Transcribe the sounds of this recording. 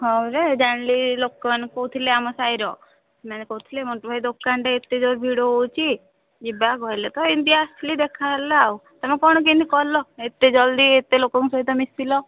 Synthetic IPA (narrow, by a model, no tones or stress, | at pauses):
ɦɔ̃ɾed͡ʒaɳlilokɔmankoɦut̪ʰileamɔsajɾɔ | manekout̪ʰilemɔʈɔbʱajd̪okːaɳɖeet̪ːed͡ʒoɾbʱiɽoowt͡ʃʰi | d͡ʒibaɡɔilet̪ɔind̪iasʈʰlid̪ekʰaɦlaːwt̪amekɔɽ̃ɔk̬inikɔlɔet̪ːed͡ʒɔld̪iet̪elokɔŋsɔɦit̪ɔmisilɔ